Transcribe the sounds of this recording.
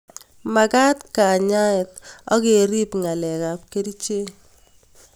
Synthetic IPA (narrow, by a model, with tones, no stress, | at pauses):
ma˨ka˦tka˨ɲa˦ɛ˨tɔ˦ke˨ɾi˦pŋa˨lɛ˨ka˨p̚ke˦ɾi˦t͡ʃe˦